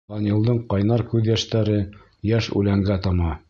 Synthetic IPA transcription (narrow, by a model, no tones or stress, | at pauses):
ɑnɤ̆lˠd̪ɤɴqɑjnɑɾkʉðjæʃt̪æɾɘ | jæʃʉ̰læŋɡæt̪ɑmɑ